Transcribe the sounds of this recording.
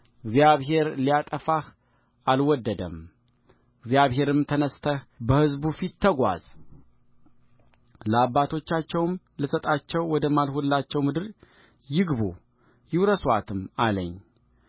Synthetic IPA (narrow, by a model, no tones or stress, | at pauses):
ɨɡzijaβɦe̞ɾlijat̪ʼəfah | alwɔd̪ːəd̪ə̰m | ɨɡzjaβɦe̞ɾɨmt̪ʰənəst̪ʰəhbəhɨzbufit̪ʰːəɡʷa̰z̥ | ləabːat̪ʰo̞t͡ʃːat͡ʃːɛwm | lɨsət̪ʼat͡ʃːɛwːɔd̪əmalhulːat͡ʃːɛwmɨd̪ɨɾ | jɪɡbo̰ | jɪwɾəswat̪ʰɨmalə̰ɲː